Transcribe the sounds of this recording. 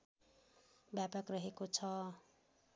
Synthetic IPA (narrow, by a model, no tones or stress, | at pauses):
bjapakrʌɦekot͡sʰʌ